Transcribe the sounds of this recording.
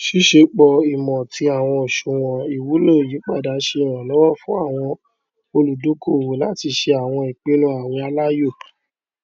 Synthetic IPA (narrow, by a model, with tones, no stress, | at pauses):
ʃi˦ʃe˧˦k͡pɔ˧i˨mɔ̃˨ti˧˦a˨w̃ɔ̃˧o˨ʃũ˨w̃ɔ̃˨i˨wu˨˦lo˦˨ji˨˦k͡pa˦˨da˨˦ʃe˧˨w̃ɔ̃˨lɔ˨˦wɔ˦˨fũ˦a˦˨w̃ɔ̃˧ | o˧lu˨do˨˦ko˦˨wo˨la˦ti˧ʃe˧a˨w̃ɔ̃˧i˨k͡pe˨˦nũ˦a˨w̃ĩ˧˦a˧la˦jo˦˨